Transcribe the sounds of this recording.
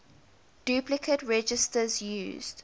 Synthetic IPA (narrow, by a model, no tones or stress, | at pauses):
d̥jʉplɪkʰətɹɛd͡ʒɪstəzjṵːzd̥